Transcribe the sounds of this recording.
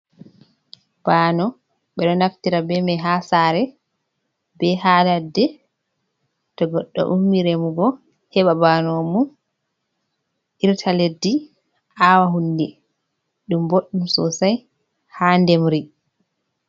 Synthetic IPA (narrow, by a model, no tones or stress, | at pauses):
b̥aːnɔ | ɓɛɗɔnaftiɾabɛmɛɦasaɾɛ | bɛɦaːladːɛ | tɔɡɔɗːɔ̰ʔumːiɾemuɡɔ | hɛɓabanomu | ʔiɾtʰaledːi | ʔawaɦundɛ | ɗumboɗːumsɔ̰saj | handɛmɾi